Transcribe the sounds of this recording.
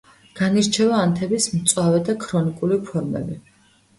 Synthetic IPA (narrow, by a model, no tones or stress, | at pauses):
ɡ̥aniɾt͡ʃʰɛvaːnt̪ʰɛbismt̪sʼwavɛd̪akʰɾɔnikʼulipʰɔɾmɛ̰bi